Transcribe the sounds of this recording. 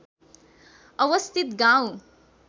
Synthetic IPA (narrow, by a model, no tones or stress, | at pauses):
ɐʋəst̪ʰit̪ɡãw